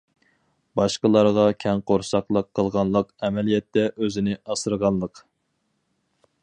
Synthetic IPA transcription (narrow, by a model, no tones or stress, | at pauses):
bɑʃqəlˠɑɾʁɑkʲʰɛnqoɾsɑqlˠəqʰːəlˠʁɑnlˠəqɛmɛlijɛt̪ːɛʔøzɪnɪʔɑsɨɾʁɑnlˠəq